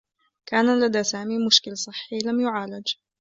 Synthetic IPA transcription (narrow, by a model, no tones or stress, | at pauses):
kaːnalad̪aːsaːmiːmʊʃkɪlsˤɨħːiːlamjʊʕaːlad͡ʒ